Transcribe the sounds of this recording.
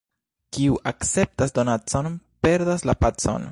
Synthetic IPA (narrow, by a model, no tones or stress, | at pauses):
kiuʔakt͡se̞p̚tasd̪o̞nat͡so̞npe̞ɾdaslapat͡so̞̰n